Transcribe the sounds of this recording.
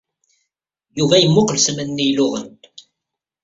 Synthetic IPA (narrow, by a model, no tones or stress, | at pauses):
juvæjəmːʊqəlsmænːijlʊʁə̰n